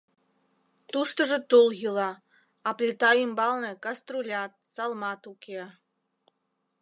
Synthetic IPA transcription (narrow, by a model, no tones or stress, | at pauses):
t̪uʃt̪ə̆ʒə̆t̪ulˠɣɯlɑ | ɑplʲet̪ɑjimbɑlˠnĕkɑst̪rulʲɑt̪̚sɑlˠmɑt̪uke